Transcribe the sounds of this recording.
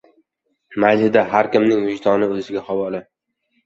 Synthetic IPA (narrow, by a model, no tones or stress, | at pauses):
majzɪd̪aɦaɾkʲɪmnɪŋvʊʃt̪ʰɒnɪɵzɪɡʲaχɒwɒlɪ